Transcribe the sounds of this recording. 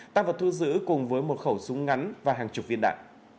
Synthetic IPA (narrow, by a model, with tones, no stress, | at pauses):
t̪aː˧vaː˨˩t̪ʰu˧zɨ̰˧˥kʊ˨˩ŋ͡mvəː˨˦jmo˨˩t̚xə˧˩wsʊ˨˦ŋ͡mŋa˨˦nvaː˨˩ɦaː˨˩ŋt͡ɕʊ˨˩k͡p̚vi˧ənɗa̰ː˧˨ŋ